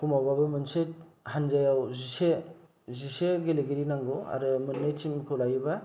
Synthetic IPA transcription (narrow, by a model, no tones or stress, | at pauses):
kʰumawbabɯmɯnsethanzajawzise | ziseɡeleɡeɾinaŋɡoa̰ɾɯmɯnːet͡ʃimkʰɯlajba